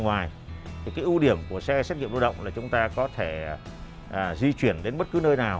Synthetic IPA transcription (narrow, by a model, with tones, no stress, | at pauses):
ŋwaː˨˩j | t̪ʰi˨˩kaː˨˦jʔu˧ɗi˧˩əmku˧˩əsɛ˧sa˦˥t̚ŋḭ˧˨ə˨mɗo˧˩ɗə̰˧˨wŋ͡mlaː˨˩t͡ɕʊ˨˦ŋ͡mt̪aː˧kɔ˨˦t̪ʰeː˧˩˨ | zi˧t͡ɕwi˧˩ənɗe˨˦nɓə˦˥t̚kɨ˨˦nəː˧jnaː˨˩w